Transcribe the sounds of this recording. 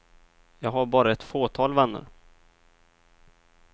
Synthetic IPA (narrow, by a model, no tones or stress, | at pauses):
jɑːɡɦaɾbɑːɾaɛt̪foːt̪ʰɑːlvanːə̰ɾ